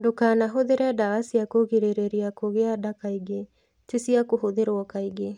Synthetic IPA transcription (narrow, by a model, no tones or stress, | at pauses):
dokaːnaɦoðeɾeadawasiakoɣeɾeɾeɾiakoɣeadakaiɡe | t͡ʃusiakoɦoðeɾoɔkaiɡe